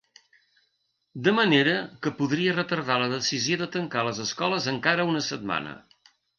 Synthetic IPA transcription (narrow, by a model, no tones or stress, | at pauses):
d̪əməneɾəkəpuðɾiərət̪əɾð̞aləðəsizioðət̪əŋkaləzəskɔləzəŋkaɾəunəsət̪̚ma̰nə̰